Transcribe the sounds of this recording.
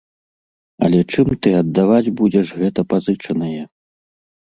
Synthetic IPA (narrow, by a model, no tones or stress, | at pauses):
ɐ̰lʲɛt͡ʂɨmt̪ɨɐd̪ːavad͡zʲbud͡zʲɛʂɣɛt̪ɐpazɨt͡ʂɐnɐjɛ